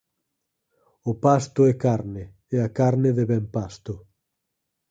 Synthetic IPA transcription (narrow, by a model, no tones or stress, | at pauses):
ʊpast̪ʊɛkaɾnɪ | ɛakaɾnɪðeβɛmpast̪ʊ